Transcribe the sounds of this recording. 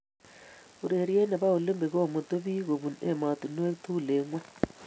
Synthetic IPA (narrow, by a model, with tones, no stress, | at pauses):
u˨ɾe˨ɾi˦e˦na˨βa˦u˨le˦mbe˨ɣo˦˨mu˨to˦βi˦ɣo˨βu˨ne˨ma˨tu˨no˦e˦tu˦˨le˨ŋwa˦